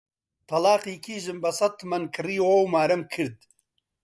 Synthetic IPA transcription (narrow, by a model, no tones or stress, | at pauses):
t̪ʰɐlaːqiːkʰiːʒɨmbɐsɐt̪ʰmɐnkʰɨriːwowmaːɾɐmkʰɨɾd̪̚